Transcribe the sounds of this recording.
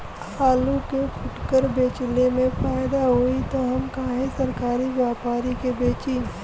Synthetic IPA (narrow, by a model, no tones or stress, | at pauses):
aːlukekʰʊʈkəɾbeːt͡ʃlemẽfaːjd̪aɦoit̪oɦɐmkaːɦẽsɐɾkaːɾiʋjaːpaːɾikebeːt͡ʃi